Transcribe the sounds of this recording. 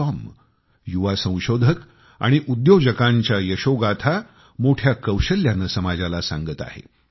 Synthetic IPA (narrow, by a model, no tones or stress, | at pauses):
ɔm | juʋasə̃w̃ɕod̪ʱək | a̰ɽ̃iʔud̪jod͡ʑəkaɲt͡ɕjajəɕoɡat̪ʰa | moʈʰjakəwɕəljanəsəmad͡ʑalasãŋɡət̪a̰ɦḛ